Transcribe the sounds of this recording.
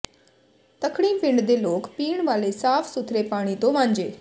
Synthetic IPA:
t̪əkʰɽiːpɪ̃ɳɖd̪eloːkpiːɳ̃ʋaːlesaːpʰsʊt̪ʰɾepaːɽ̃it̪õʋãːɲd͡ʒeː

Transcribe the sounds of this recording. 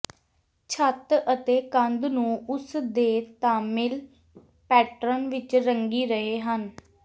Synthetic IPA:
t͡ʃʰət̪ət̪eːkə̃nd̪nũːʊsd̪eːt̪ãːmɪl | pɛːʈɾənʋɪt͡ʃɾəŋɡiːɾəɦeːɦən

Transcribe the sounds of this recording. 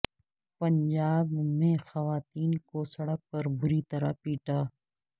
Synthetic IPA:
pəɲd͡ʒaːbmẽːxɐʋaːt̪iːnkosɐɽək̚pɐɾbʊɾit̪əɾa̰piːʈaː

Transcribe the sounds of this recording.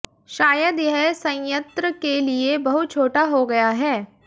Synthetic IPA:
ʃaːjəd̪jɐɦsɐ̃jə̃nt̪ɾəkeliebɐɦʊt̪̚t͡ʃʰoːʈaɦoɡɐjaɦɛː

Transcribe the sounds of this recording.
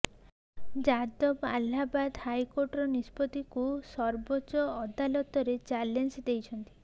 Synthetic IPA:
d͡ʒad̪ɔbalːabad̪hajkoɾʈɔɾɔnispɔt̪ikusɔɾbot͡ʃɔːd̪alɔt̪ɔɾet͡ʃalensd̪ejt͡ʃʰɔnt̪i̥

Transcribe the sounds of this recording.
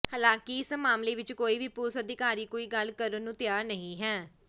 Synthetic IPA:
həlãːkiɪsmaːmleːʋɪt͡ʃkoːiːʋiːpʊsəd̪ɪkaːɾiːkoːiːɡəlkəɾənũːt̪ɪjaːɾnəɦĩːɦɛː

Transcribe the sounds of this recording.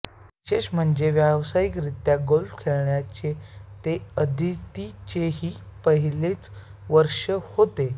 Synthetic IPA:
iɕeɕm̤əɳd͡zeʋjaʋsajikɾit̪jaɡolfkʰeɭɳjat͡ɕet̪eəd̪ʱit̪it͡ɕeɦiːpəɦilet͡sʋəɾʂəhot̪e

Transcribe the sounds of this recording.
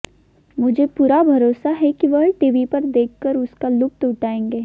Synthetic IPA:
mʊd͡ʒʱepuːɾabʱɐɾoːsaɦɛkiʋɐɦʈiːʋipɐɾd̪eːkʰːəɾʊskalʊk̚t̪ʊʈaːẽːŋɡeː

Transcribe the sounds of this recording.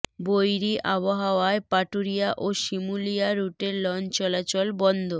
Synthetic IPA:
bojɾiʔaβoɦaoaepaʈuɾijaʔoʃimulijaɾuʈeɾlɔnt͡ɕɔlat͡ɕɔlbɔnd̪ʱo

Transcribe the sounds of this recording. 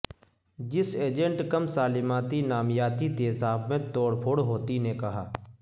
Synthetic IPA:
d͡ʒɪseːd͡ʒə̃ɳʈkɐmsaːlɪmaːt̪inaːmjaːt̪it̪eːsaːbmẽt̪oːɽpʰoːɽɦoːt̪inekɐɦa̰ː

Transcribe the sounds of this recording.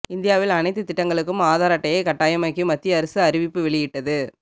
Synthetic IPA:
ɪnd̪ɪjaːʋɪlɐnɐɪt̪ːɯt̪ːɪʈːɐŋɡɐɭɯkːɯmaːðaːɾɐʈːɐjɐɪkɐʈːaːjɐmɐɪkːɯmɐt̪ːɪjɐɐɾɐsɯɐɾɪʋɪpːɯʋɛɭɪjɪʈːɐðɯ

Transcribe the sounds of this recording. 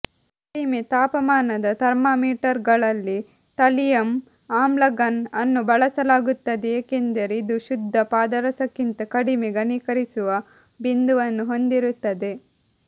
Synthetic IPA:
kkɐɽimet̪aːpɐmaːnɐd̪ɐt̪ɐɾmaːmiːʈɐɾɡɐɭɐlːi | t̪ɐlijɐm | aːmlɐɡɐnɐnːubɐɭɐsɐlaːɡut̪ːɐd̪eeːkend̪ɐɾeid̪uʃud̪ʱːɐpaːd̪ɐɾɐsɐkːint̪ɐkɐɽimeɡɐnikɐɾisuʋɐ | bind̪uʋɐnːuɦo̞nd̪iɾut̪ːɐd̪e̞

